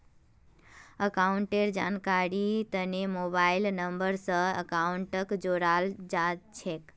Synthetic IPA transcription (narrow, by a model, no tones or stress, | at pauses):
əkauɳʈeɾd͡ʒankaɾit̪ənemobailnəmbəɾsə̃əkauɳʈəkd͡ʒoɾald͡ʒat͡ʃʰek